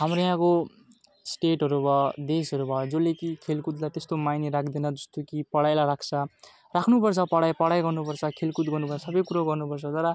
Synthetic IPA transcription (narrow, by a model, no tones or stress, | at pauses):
ɦamrojãko | sʈeʈɦʌɾubʱʌd̪esɦʌɾubʱʌjod͡zolekikʰelkut̪lajt̪est̪omajneɾakʰd̪enʌd͡zʌst̪okipʌɽajlaɾakʰt͡sʰʌ | rakʰnupʌrt͡sʰʌpʌɽajpʌɽajɡʌrnupʌrt͡sʰʌkʰelkut̪̚ɡʌrnupʌrt͡sʰsʌbʌjkuɾaɡʌrnupʌrt͡sʰʌt̪ʌɾʌ